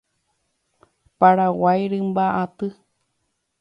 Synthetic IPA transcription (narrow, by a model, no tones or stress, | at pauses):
paɾawajɾɨmbaʔat̪ɨ